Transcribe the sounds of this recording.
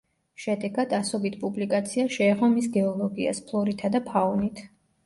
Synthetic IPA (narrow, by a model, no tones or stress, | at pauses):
ʃɛd̪ɛɡad̪asɔbit̪ʰpʼublikʼat̪sʰiaʃɛːʁɔmisɡɛɔlˠɔɡia̰spʰlˠɔɾit̪ʰad̪apʰaɔnit̪ʰ